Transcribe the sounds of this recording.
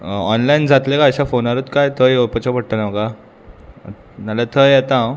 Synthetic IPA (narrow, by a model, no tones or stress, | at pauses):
ɔnlaind͡zat̪lekaəɕafonaɾət̪kajt̪ʰəjopət͡ɕapəɽʈ̪ənaʋka̰ | nalat̪ʰəjɛt̪a